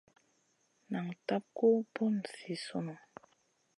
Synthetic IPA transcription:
na˨ŋta˦p̚ko˦pu˦nsi˨su˦no˨

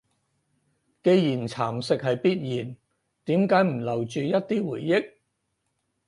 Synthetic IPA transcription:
ke˧jjiː˨˩nt͡sʰaː˨˩msɪ˨k̚hɐ˨jpiː˥t̚jiː˨˩n | t̪iː˨˥mkaː˨˥jm̩˨˩lɐ˨˩wt͡ʃyː˨jɐ˥t̚t̪iː˥wuː˨˩jːɪ˥k̚

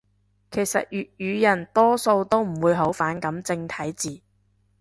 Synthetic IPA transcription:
kʰe˨˩jsɐ̰˨t̚jyː˨t̚jyː˨˧jɐ˨˩nt̪ɔː˥so˧wt̪o˥wm̩˨˩wuː˨˧jɦo˨˥wfaː˨˥nkɐ˨˥mt͡sɪ˧ŋt̪ʰɐ˨˥jt͡siː˨

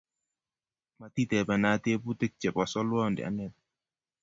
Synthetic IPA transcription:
ma˨t̪i˦t̪ɛ˨pɛ˨na˨t̪e˦pu˦t̪ɪ˦k̚t͡ʃɛ˨pɔ˨sɔ˦lwɔ˦ndɛ̰˨a̰˦nɛ˦˨t̚

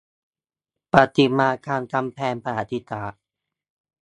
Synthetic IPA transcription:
pa˧t̪i˧˩maː˧kaː˧nka˧mpʰɛː˧npʰa˧haː˨˦t̪ʰi˧˦t̪aː˨˩

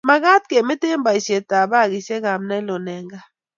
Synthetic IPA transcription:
ma˨ka˦t̚kɛ˨me˦te˦mba˨i˨sɛ˨ta˨ɓa˦˨ki˨sɛ˦ka˨m̩˦na˦lɔ˨nɛː˨˦ŋɡa˦

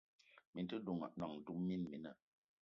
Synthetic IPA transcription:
mi˨˦tə˦du˨ŋa̰˨ʔnɔ˨ŋn̩˨tu˦mmi˦nmi˨˦nə˨

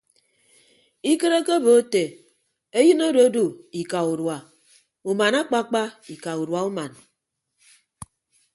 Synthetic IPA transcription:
i˦ke˦ɾe˦ke˦bo˨˦te˨ | e˦jɨ˦no˦ɾo˨˦du˨i˨ka˨u˨ɾwa˨ | u˨ma˨na˦k͡pa˦k͡pa˦i˨ka˨u˨ɾwa˨u˦ma˨n

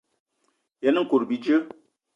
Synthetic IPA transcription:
jɛ˨n˦ŋ̩˨ku˨ɾbi˨d͡ʒə˦

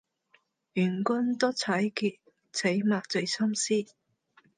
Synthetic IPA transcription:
jyː˨˩nkʊ˥nt̪ɔ˥t͡sʰɐ˨˥jkʰi˨˧t̚ | t͡sʰe˨˥jmaː˨˧k̚t͡sɵ˨˧ɥsʰɐ˥msiː˥

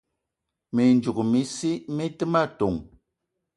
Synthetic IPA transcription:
mi˨n˦d͡ʒu˨kmi˨˦si˦mi˦tɨ˦ma˦˨to˨ŋ

